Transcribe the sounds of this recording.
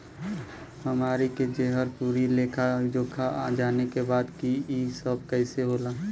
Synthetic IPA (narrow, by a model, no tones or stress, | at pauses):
hɐmaːɾiked͡ʒeɦəɾpuːɾileːkʰad͡ʒoːkʰaa̰d͡ʒaːnekebaːd̪kiisəb̚kɛɪseɦoːlaː